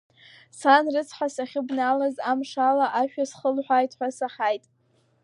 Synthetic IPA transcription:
sanrɨt͡sʰħasaχʲɪbnalazamʂalaʔaʃᶣasχəlħʷᶣajtʰʼħʷᶣasaħajtʼ

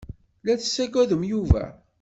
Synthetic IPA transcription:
læt͡sːə̥sːæɡæðəmjuvæ̰

